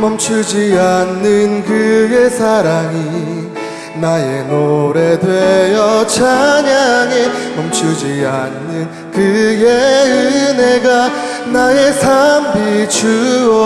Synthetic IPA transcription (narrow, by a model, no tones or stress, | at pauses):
mʌmt͡ɕʰud͡ʑianːɯnkɯjesʰaɾaŋi | najenoɾedwejʌt͡ɕʰaɲaŋemʌmt͡ɕʰud͡ʑianːɯn | kɯjeɯɯneɡa | naje̞sʰambit͡ɕuʌ